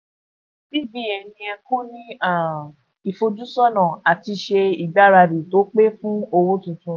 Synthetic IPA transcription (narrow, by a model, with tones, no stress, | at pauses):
bi˦˨bi˦ɛ˧nĩ˧ɛ˧kũ˦nĩ˦a˦˨ | i˨fo˧d͡ʒu˦sɔ˦nã˨a˨ti˧ʃe˧i˨da˦ɾa˧di˨to˨˦k͡pe˦fũ˦o˧wo˦tũ˧tũ˧˦